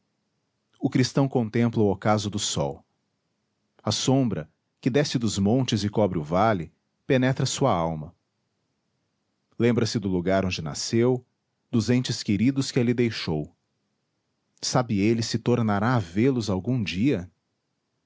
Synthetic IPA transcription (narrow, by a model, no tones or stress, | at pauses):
ʊkɾist̪ɐ̃w̃kõnt̪ẽmplɐʊokazʊd̪ʊsɔ̰w | ɐsõmbɾɐ | kɪd̪ɛsɪd̪ʊzmõnt͡ʃɪzɪkɔbɾɪʊvalɪ | penɛt̪ɾɐsuɐawmɐ | lẽmbɾɐsɪd̪ʊluɡaɾõd͡ʒɪna̰sew | d̪ʊzẽnt͡ʃɪskeɾid̪ʊskɪelɪd̪ejʃow | sabɪelɪsɪt̪oɾnaɾaːvelʊzawɡũd͡ʒiɐ